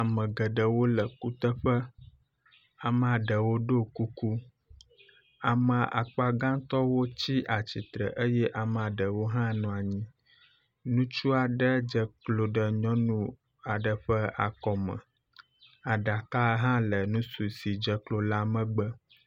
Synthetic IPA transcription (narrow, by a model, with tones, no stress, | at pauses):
a˨mə̃˨ɡə˨ɖə˨wo˦lə˨ku˦t̪ə˦ɸə˦ | a˨m˦a˨ɖə˨wo˦ɖo˦ku˦ku˦ | a˨mə̃˨ʔa̰˨k͡pa˦ɡã˦t̪ɔ˦wo˦t͡ɕi˦ʔa˨t͡ɕi˨t̪ɾə̰˨ʔə˦jɛ˦ʔa˨m˨a˨ɖə˨wo˦ɦã˦nũ˨a˨ɲĩ˦ | nũ˦t͡ʃu˦a˨ɖə˦d͡ʒə˨klo˨ɖə˨ɲɔ̃˦nũ˦ | a˨ɖə˨ɸə˦a˨kɔ˨mə̰̃˨ | a˨ɖa˨ka˦ɦã˦lə˨nũ˦su˨si˨d͡ʒə˨klo˨la˦mə̃˦ɡ͡bə˦